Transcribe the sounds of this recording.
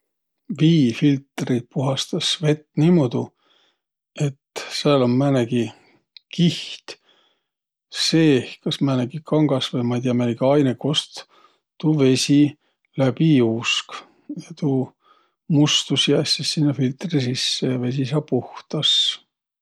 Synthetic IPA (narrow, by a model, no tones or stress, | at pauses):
viːfilt̪ˑrit̪̚puɦɑst̪ɑsve̞t̪ːnimod̪̥u | e̞t̪seɑlommæneɡi | kiht̪ | se̞ːhkɑsmæneɡikʰɑŋɡ̥ɑsvejmɑjd̪ʲiɑmæniɡiɑjneko̞st̪ | t̪uːve̞sʲi | læb̥iuːsk | jɑt̪uː | must̪usjæːsʲisːinːɑfilt̪risisːejɑve̞s̬isɑːpuht̪ɑs